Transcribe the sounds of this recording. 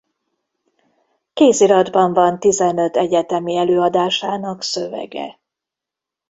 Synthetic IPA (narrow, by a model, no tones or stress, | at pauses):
keːsiɾɒd̪bɒɱvɒnt̪izɛnø̞t̪ɛɟɛt̪ɛmiɛløːɒd̪aːʃaːnɒksøvɛ̰ɡɛ̰